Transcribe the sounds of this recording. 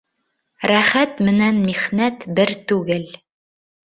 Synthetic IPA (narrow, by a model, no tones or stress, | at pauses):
ɾæχæt̪mɘ̆nænmiʁnæt̪bɘɾt̪ʉɡɘl